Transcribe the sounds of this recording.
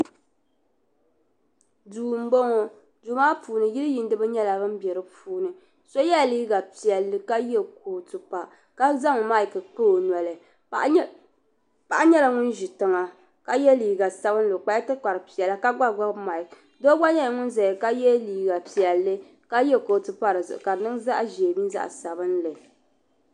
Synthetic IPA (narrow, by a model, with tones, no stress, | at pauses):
duː˨m̩˦bo˦ŋo˦ | duː˨˦maː˦puː˨nɨ˨ji˦ɾɨ˦ji˨n˦dɨ˦bɨ˦ɲɛ˦la˨bɨ˦m̩˦bɛ˨ɾɨ˨˦puː˦nɨ˨ | so˦jɛ˦˨liː˦ɡa˨pi˨ɛ˨lːɨ˦ka˦jɛ˦k̚o˨tu˨pa˨ | ka˦za˦ŋ˨ma˦ɪ˨kɨ˨k͡po˦˨n˨ɛ˨lɨ˨˦ | pa˨ʔa˦ɲɛ˦la˨ŋʊ˦nʒi˨tɨ˨ŋa˨ | ka˦jɛ˦liː˨ɡa˨sa˨βɨ˦n˦lɨ˨k͡pa˦jtɨ˦k͡pa˨ɾɨ˨pi˨ɛ˨la˦ka˦ɡ͡ba˦ɡ͡ba˦ma˨i˨k | do˦ɡ͡ba˦ɲɛ˦la˨ŋʊ˦n˦za˨jɛ˨ka˦jɛ˦liː˨ɡa˨pi˨ɛ˨lːɨ˦ | ka˦jɛ˦koː˨tɨ˨pa˦ɾɨ˨zɨ̰˨ʔka˨˦nɨ˦ŋza˦ʔʒe˨e˨mi˦nza̰˦ʔsa˨bɨ˦nlɨ˨